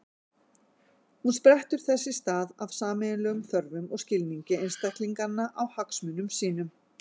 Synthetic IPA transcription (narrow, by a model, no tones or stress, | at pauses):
hunspɾɛht̪ʏɾ̥θɛsːɪst̪aːðavsaːmɪðɪnlœːɣʏmθœɾvʏmɔɣscɪlniɲcɪejnst̪ahk̪liŋkanːaʔawhaksmʏnʏmsiːnʏm